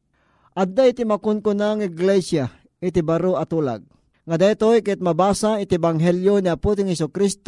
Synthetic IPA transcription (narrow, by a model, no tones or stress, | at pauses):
ʔad̪aɪt̪imakʊnkʊnaŋɪɡlɛsja | ʔɪt̪ibaɾoɐt̪ula̰ɡ̚ | ŋad̪ajt̪ojkɛt̪̚mɐbaːsaɪt̪ɪbaŋɦɛljoniaput̪̬ɪŋhɛsʊkɾist̪